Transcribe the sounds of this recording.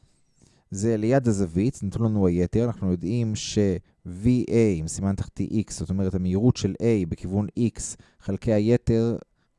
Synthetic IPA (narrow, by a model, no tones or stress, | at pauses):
ze̞lejad̪hazavit͡snatunlanuaje̞te̞ʁanaχnujo̞dimʃe̞ | viʔejimsimant̪aχt̪ḭʔikszo̞t̪o̞me̞ʁet̪hameiʁutʃe̞lʔejbe̞kivunʔiks | χalkejaje̞te̞ʁ